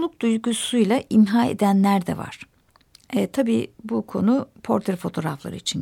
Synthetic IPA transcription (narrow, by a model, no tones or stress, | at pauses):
lˠuk̚d̪̥ujɡusujlˠaʔimɦaːḛd̪ænlʲæɾd̪ɛ̰va̰ɾ̥ | t̪ʰabiːbukʰo̞nupʰo̞ɾt̪ʰeɾfo̞t̪ʰo̞ɾaflˠa̰ɾɯit͡ʃʰin